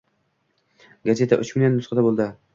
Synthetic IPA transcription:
ɡazʲe̞t̪ʰaʔɵt͡ʃmɪnanːʊsqɑd̪abolˠd̪ɪ

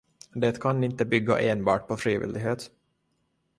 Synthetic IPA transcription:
d̪ɛːt̪kʰanɪnt̪əbʏɡːa̰ʔeːnbɑ̰ːʈ̚pʰɔfɾiːvḭːld̪ɪɡɦeːt̪

